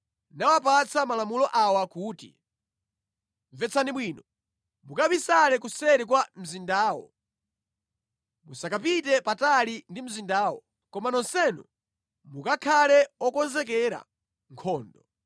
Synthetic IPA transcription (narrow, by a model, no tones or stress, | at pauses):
nawap̬at͡sʰamalamulɔʔawakuːtḭ | ɱvɛt͡sʰaniɓwiːnɔ | mukaβisalɛk̬usɛɾik̬wam̩zindaːwɔ̰ | musakap̬it̬ɛpatalindim̩zindaːwɔ̰ | kɔmanɔnsɛnṵ | mukakʰalɛɔkɔnzɛk̬ɛɾa̰ | ŋkʰɔːndɔ